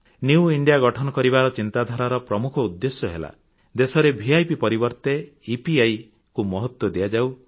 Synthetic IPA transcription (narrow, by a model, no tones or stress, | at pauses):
njuwiɳɖijaɡɔʈʰɔnɔkɔɾibaɾɔt͡ʃint̪ad̪ʱaɾaɾɔpɾɔmukʰɔud̪ːesjɔɦela̰ | d̪esɔɾebʱiajpipɔɾibɔɾt̪e | ipiaj | kumɔɦɔt̪wɔd̪iad͡ʒaw